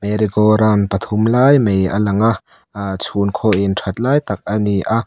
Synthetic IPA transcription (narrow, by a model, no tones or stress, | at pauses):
meɾiɡɔɾanpət̪ʰʊmlaːjmejʔɐ̰lɐŋaʔ | t͡sʰunkʰoːʔinʈʰɐt̪̚laːjt̪ɐk̚ʔɐniʔa